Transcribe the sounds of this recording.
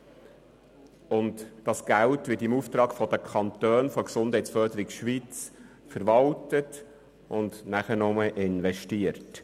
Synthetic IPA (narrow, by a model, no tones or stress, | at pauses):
ʊntd̥ɑsɡ̥æltʋɪtɪmuːft̪ɾɑːkfɔd̥̪əkʰɑntøːnfɔksʊnd̥ɦɛɪtt͡sfœɾdəɾikʃʋiːt͡s | fəɾʋɑltət | ʔʊndnæχənʊməʔɪnʋɛʃtiəɾt